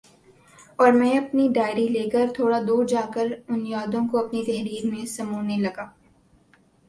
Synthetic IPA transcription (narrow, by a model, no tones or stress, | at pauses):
ɔːɾmɛ̃ɐpniɖaːɪɽileːkəɾt̪ʰoːɽad̪uːɾd͡ʒaːkəɾʊnjaːd̪õkoɐpnit̪ɛɦɾiːɾmẽsɐmuːnelɐɡaː